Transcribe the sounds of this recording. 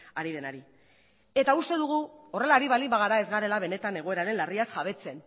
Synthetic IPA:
aɾið̞e̞naɾi | e̞t̪aust̪e̞ðuɣ̞uo̞re̞laɾiβ̞alimbaɣ̞aɾae̞zɣaɾe̞laβ̞e̞ne̞t̪ane̞ɣ̞o̞e̞ɾaɾe̞nlariasʝaβ̞e̞t͡se̞n

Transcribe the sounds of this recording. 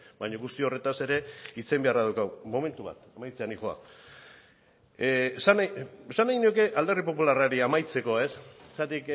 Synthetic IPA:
baɲoɣust̪io̞re̞t̪ase̞ɾe̞it͡se̞mbe̞araðawkawmo̞me̞nt̪uβa̰t̪amajt͡seanixoa̰ | sanesanajɣiniuke̞ʔald̪e̞ripo̞pularaɾiamajt͡se̞ko̞e̞ssat̪ik

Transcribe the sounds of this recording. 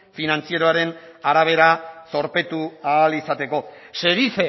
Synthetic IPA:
finant͡sieɾoaɾe̞naɾaβ̞e̞ɾaso̞ɾpe̞t̪uaːlisat̪e̞ko̞se̞ðife

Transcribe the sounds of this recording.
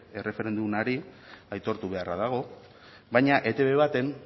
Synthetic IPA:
e̞re̞fe̞ɾe̞nd̪umaɾiajt̪o̞ɾt̪uβe̞araðaɣ̞o̞ | bajɲaʔe̞t̪e̞βe̞βat̪e̞n

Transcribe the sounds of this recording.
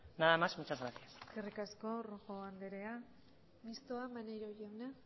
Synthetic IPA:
naðamasmut͡ʃazɣɾasiaseskerikasko̞roxoand̪e̞ɾe̞a | mist̪oamanejɾojawna

